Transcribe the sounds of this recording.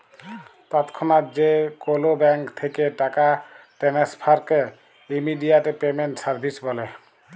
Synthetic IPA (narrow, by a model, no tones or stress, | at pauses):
t̪at̪kʰɔnat̪zekolobɛŋkt̪ʰekeʈakaʈenespʰaɾke | imidijaʈɛpemenʈsaɹbʱisbɔlɛ